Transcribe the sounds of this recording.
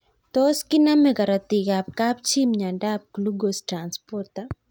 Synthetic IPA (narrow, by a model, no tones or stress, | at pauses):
t̪ɔskɪnamɛkaɾat̪iɡap̚kapt͡ʃimɲandap̚kluɡostɾanspɔrt̪a